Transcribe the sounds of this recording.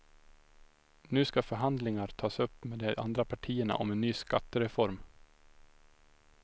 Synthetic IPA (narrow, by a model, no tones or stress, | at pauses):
nʉ̟ːskafœɾɦand̪lɪŋaɾt̪ʰɑːsɵpːmeːd̪ɛʔa̰nd̪ɾapʰaʈʰiːəɳa̰ʔɔ̰mɛnːyːskat̪ːəɾɛfɔɾm